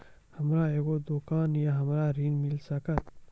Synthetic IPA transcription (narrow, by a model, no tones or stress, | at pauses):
hɐmɾaːeːɡoːd̪ukaːnjaɦɐmɾaːɾiːnmilsɐkɐt̪